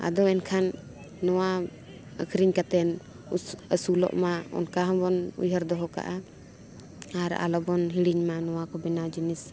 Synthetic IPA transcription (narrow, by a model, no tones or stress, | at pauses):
a̰d̪ɔɛnkʰanː | ɔwa | ə̰kʰɾiɲkat̪ɛn | əsulɔ̰ʔmaɔ̰nkaɦɔ̃bɔnṵjɦəɾd̪ɔɦɔka̰ʔa | aɾa̰lɔbɔnɦiɽiɲmanɔwakɔbɛnad͡ʒinis